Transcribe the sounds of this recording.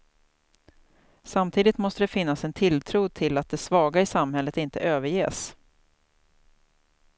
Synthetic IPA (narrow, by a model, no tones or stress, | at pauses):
samt̪ʰiːd̪ɪt̪mɔst̪əd̪ɛfɪnːasɛnt̪ʰɪlt̪ʰɾuːd̪̚t̪ʰɪlat̪̚d̪ɛsvɑːɡaɪsamhɛlːət̪ɪnt̪əʔøːvəɾjḛːs